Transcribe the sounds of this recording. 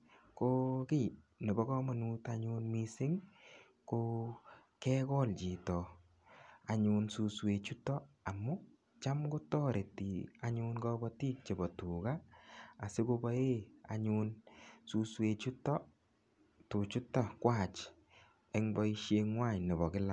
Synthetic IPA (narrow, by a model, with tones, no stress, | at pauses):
ko˦kɪ˦ne˨bɔ˦kɔ˦ma˨nu˦taɲunmi˦sɪ˦ŋ | ko | kɛ˦kɔ˦lt͡ʃi˨tɔ˨ | a˨ɲunsu˧swe˨t͡ʃu˦tɔ˦a˨mːʊ˦ | t͡ʃa˦mɡo˦tɔ˦ɾe˨ti˨a˨ɲʊnɡɔ˦bɔ˦ti˦k̚t͡ʃe˨bɔ˨tu˨ɡaː˦˨ | se˦ko˦bɔ˦e˦a̰˨ɲunsu˦swe˨t͡ʃu˦tɔ˦ | tu˨t͡ʃu˦tɔ˦kwa˨t͡ʃ | ɛ˦ŋbɔ˦i˧ʃe˧ŋwa˦˨ɲne˨bɔ˨kɪ˦la˨